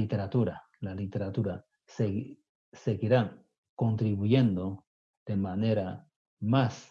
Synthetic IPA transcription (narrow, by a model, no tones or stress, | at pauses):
it̪e̞ɾat̪uɾa | lalit̪e̞ɾat̪uɾa | s | se̞ɣiɾaŋ | ko̞nt̪ɾiβuje̞nd̪o̞ | ð̥e̞mane̞ɾa | mas